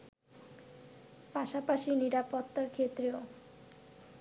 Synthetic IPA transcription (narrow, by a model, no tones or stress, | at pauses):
paʃapaʃiniɾapot̪ːakʰet̪ːɾio